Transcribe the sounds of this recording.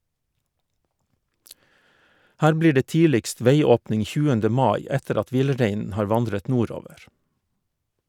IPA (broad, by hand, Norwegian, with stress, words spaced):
ˈhæːɾ ˈbliː ˈɖeː ˈtiːlɪkst ˈʋeɪˌoːpnɪŋ ˈçʉːəndə ˈmɑːˌɪ ˈɛtəɾ ˈɑt ˈʋɪlˌɾeɪnn̩ ˈhɑːɾ ˈʋɑndɾət ˈnuːˌɾoːʋəɾ